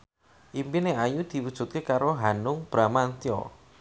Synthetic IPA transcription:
ʔimpineajud̪̥i̤wud̥ʒ̥ṳt̪̚kekaɾoɦanʊŋb̥ɾamant̪iɔ̰

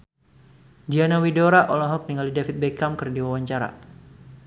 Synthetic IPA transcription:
dianawidoɾaʔɔlɔɦɔk̚niŋalidafit̪̚bekamkɨrdiwawaɲt͡ʃaɾa̰

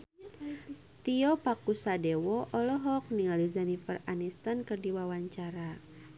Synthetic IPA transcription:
t̪iɔpakusadɛwɔʔɔlɔɦɔk̚niŋalizanifəranist̪ankərdiwawaɲt͡ʃaɾa

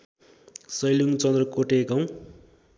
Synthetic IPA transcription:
sʌjluŋt͡sʌnd̪rʌkoʈekʌw̃

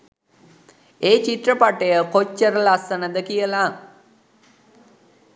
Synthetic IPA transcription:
eːt͡ʃiʈrəpaʈəjəkot͡ʃːəɾəlasːənəd̪əkijəla

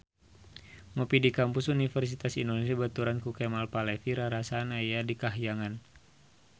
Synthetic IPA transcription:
mɔpidikampusunifɛrs̬it̪asindonesiabat̪uɾankukɛmalpalɛfiɾaɾasanajadikaɦjaŋan

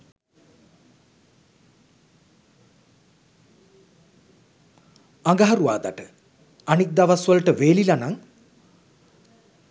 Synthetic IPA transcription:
aŋɡaɦaɾuʋa̰ːd̪aʈə | anik̚d̪aʋasʋəlʈəʋeːlilanaŋ

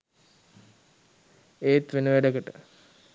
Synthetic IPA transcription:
eːt̪ʋenəʋæɖəkəʈə̰

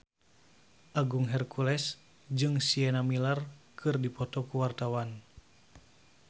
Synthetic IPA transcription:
ʔaɡuŋɦɛrkʰulɛs | d͡ʒɨŋsiɛnamilarkʰɨrdipɔt̪ɔkuwart̪awan

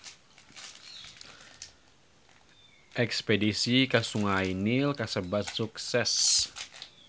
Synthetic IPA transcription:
ʔɛkspedisikasuŋainilkasəbat̪suksɛs

